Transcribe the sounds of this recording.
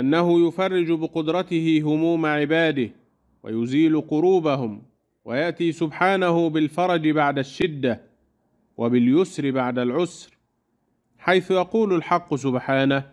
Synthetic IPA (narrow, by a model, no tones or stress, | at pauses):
ʔanːaɦʊjʊfɑrˤːɪd͡ʒbɪqʊd̪ɾˤɑt̪ɪhɪɦʊmuːmaʕɪbaːd̪ɪh | wa̰jʊziːlʊqʊɾuːbahʊm | wajaʔt̪iːsʊbħaːnahʊbɪlfɑɾˤɑd͡ʒɪbaʕd̪aʃːɪd̪ːa | wʔabɪljʊsɾɪbaʕd̪alʕʊsɾ | ħajθʊjɑquːlʊlħɑqːʊs̬ʊbħaːnah